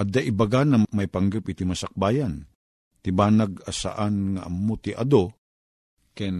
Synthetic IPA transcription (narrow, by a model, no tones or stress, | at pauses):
ʔad̪aʔibaɡanamajpaŋɡəpit̪imasak̚baːjan | t̪ɪbaːnaɡasa̰ʔanŋaʔɐmːot̪iʔa̰d̪o | kɛn